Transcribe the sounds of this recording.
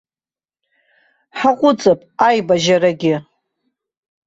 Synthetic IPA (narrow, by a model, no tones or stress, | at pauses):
ħaqʷʼʊt͡sʼɨpʼajbaʒaɾaɡʲɪ